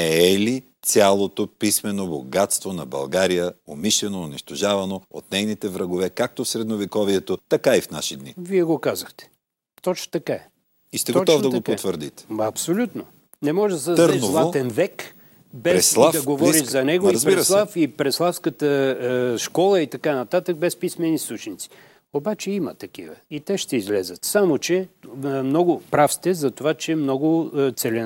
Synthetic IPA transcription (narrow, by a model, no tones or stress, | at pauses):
ɛɛlit̪sʲalˠot̪opismɛnoboɡat̪st̪vonɐbɐ̰lˠɡaɾijəomiʃlɛnoːniʃt̪oʒavɐnoo̰t̪nɛjnit̪ɛvɾɐɡovɛkak̚t̪ofsɾɛd̪novikɔviɛt̪ot̪ɐkaifna̰ʃid̪nḭviɛɡokazəxt̪ɛ̥ | t̪ɔt͡ʃno̥t̪ɐkaɛ | ist̪ɛɡot̪ɔvd̪ɐɡopot̪vəɾd̪it̪ɛ̥ɐpsolʲut̪no | nɛmɔʒɛd̪ɐsɛd̪ɾɛzlˠat̪ɛnvɛk | bɛɛslˠad̪ɐɡovɔɾit̪zɐnɛɡozɾiɛɾslˠafipɾɛslˠafskət̪əʃkɔlˠəit̪ɐkanɐt̪at̪əɡ̚bɛspismɛnisˠut͡ʃnit̪si̥ | obat͡ʃɛimə̰t̪ɐkḭvə̰it̪ɛʃt̪ɛizlɛzət̪samot͡ʃɛmnɔɡʊpɾafst̪ɛzɐt̪ovat͡ʃɛmnɔɡʊt̪sɛlɛn